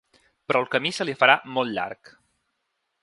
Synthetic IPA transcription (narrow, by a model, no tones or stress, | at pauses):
pɾʔɔlˠkəmisəlifəɾamɔlˠt̪ʎa̰ɾk